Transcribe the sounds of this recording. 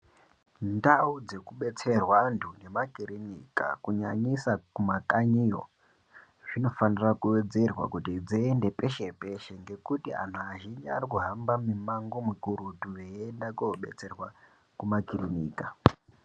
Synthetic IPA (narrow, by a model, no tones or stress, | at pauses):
ndaud͡ze̞kuɓe̞t͡se̞rwandune̞makiɾinika̰kuɲa̰ɲisakumakaɲijo̰ | ʐ̥ino̞fanirakuwe̞d͡ze̞rwa̰kutid͡ziende̞pe̞ʃe̞pe̞ʃeŋɡe̞kutia̰n̤uaʒind͡ʒa̰rikuɦambamimaŋɡomikuɾutuʋeendakooɓe̞̰t͡se̞rwa | kumakirinḭːka